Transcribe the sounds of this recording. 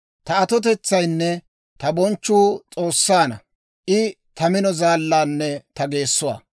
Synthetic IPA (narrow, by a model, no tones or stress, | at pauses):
t̪ɐɐt̪ɔt̪̬ɛt͡sːɐjnːɛ | t̪ɐbɔnt͡ʃːuːt͡sʼo̞ːsːaːnɐ̰ | ʔɪ | t̪ɐmɪnɔzaːlːaːnːɛt̪ɐɡe̞ːsːʊwa̰ː